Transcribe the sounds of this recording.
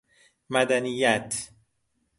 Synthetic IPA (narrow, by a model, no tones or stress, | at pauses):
mæd̪ænijːæt̪ʰ